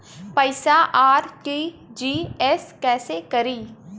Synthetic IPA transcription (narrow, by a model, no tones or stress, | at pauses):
pəɪsaːʔaːɾʈiːd͡ʒiːɛːskɛːseːkəɾiː